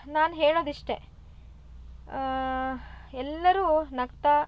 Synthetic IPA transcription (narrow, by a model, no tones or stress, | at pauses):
naːnɦeːɭoːd̪iʂʈe̞ | ɛlːɐɾuːnɐkt̪ɐ